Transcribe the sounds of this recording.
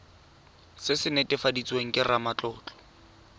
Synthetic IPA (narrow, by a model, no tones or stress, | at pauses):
sɪsɪnɛtʼɪfadit͡sʼweŋ̩kʼɪramat͡ɬʼɔːt͡ɬɔ̥